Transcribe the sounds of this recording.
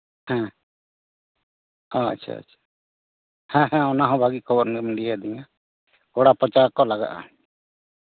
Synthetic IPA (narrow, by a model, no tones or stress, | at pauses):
hɛ̃ | ɔa̰t͡ʃt͡ʃʰa̰a̰t͡ʃʰḁ | hɛ̃ɦɛ̃ɔnaɦɔ̃bʱaɡikʰɔbɔɾnɛmɛlijad̪iɲa | kɔɽapɔt͡ʃaɾkɔlaɡa̰ʔa̰